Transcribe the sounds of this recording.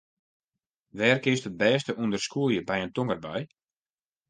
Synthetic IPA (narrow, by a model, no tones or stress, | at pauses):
ʋɛːrkɪstət̚bɛːstəʔundərskuəljəbɛjəntoŋərbaj